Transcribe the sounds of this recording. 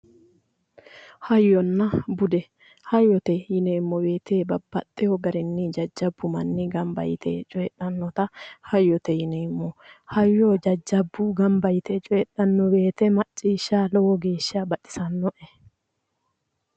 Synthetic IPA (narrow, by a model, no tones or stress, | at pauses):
hɐjːɔnːɐbʊd̪ɛ | hɐjːɔt̪ɛjɪneːmːɔbeːt̪eːbɐbːɐt̪ʼːɛjɔɡɐɾɪnːɪd͡ʒɐd͡ʒːɐbːʊmɐnːɪɡɐmbɐ̰jɪt̪ʰḛːt͡ʃʼɔjɛᶑʼɐnːɔt̪ɐhɐjːɔt̪ɛjɪneːmːɔhɐjːɔd͡ʒɐd͡ʒːɐbːʊɡɐmbɐjɪt̪ɛt͡ʃʼɔjɛɗɐnːɔwe̞ːt̪ɛmɐt͡ʃʼːiːʃːaːlɔwɔɡe̞ːʃːɐbɐtːɪ̥sɐnːɔʔɛ